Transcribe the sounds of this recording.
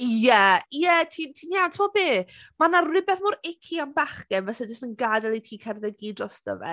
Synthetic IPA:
jɛjɛtʰiːntʰiːnjawntʰɪmɔbeːmanarɪbɛðmʊɾɪkʰianbaχɡ̥ɛnvɛsɛd͡ʒəstənɡadɛlˠitʰiːkʰɛrðɛɡidrɔstə̰vɛ̰

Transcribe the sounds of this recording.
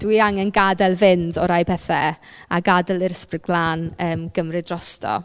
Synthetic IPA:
d̥wiːaŋɛnɡadɛlˠvɪndɔɾajbʰɛθɛ | aɡadɛlˠɪɾəsprɪɡ̚blˠaːnəːmɡ̥əmrɨdrɔstʰɔ̰

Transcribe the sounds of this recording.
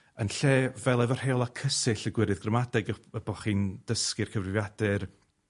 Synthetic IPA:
ənɬeːvɛlˠavɔr̥heːɔlˠakʰəsɪɬəɡwɪɾɨðɡrəmadɛɡəəbɔχiːnd̥əskɪrkʰəvrɪvjad̥ɨr

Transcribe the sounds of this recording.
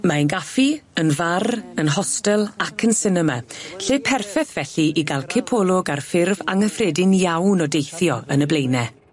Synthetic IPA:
maənɡafiənvarənɦɔstɛlˠakʰənsɪnəmaɬeːpʰɛrfɛθv̥ɛɬiʔiɡalˠkʰɪpʰɔːlˠʊɡarfɪrva̰ŋəfrɛdɪnjawnɔdejθjɔənəblejnɛ

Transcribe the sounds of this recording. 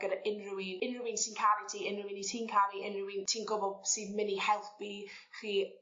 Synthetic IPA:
ɡ̥əɾaʔɪnrʊwinɪnrʊwɪnsinkʰaɾitʰiːɪnrʊwinitʰiːnkʰaliʔɪnrʊwɪntʰiːnɡʊbɔdsimɪnihɛlˠθb̥i | χiː

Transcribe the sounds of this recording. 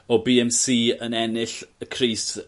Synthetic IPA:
ɔbiːɛmsiːənɛnɪɬəkʰriːs

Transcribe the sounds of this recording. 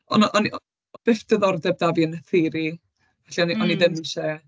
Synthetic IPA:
ɔ̰naʔɔniɔ | ɔb̥ɪfd̥əðɔrdɛb̚daviənəθiɾi | vɛɬiɔniɔniðɪmʃɛ

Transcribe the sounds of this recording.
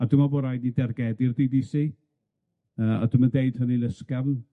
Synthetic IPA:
adʊmaboːdajdnidɛrɡɛdɪrdidisi | əːa̰dʊməndejd̥həninəskavn

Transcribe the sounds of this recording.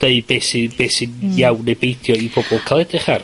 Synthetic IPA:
d̥eɨbeːsɪbeːsɪnjawnebejθjɔibʰɔbɔlˠkʰalˠɛdɪχar

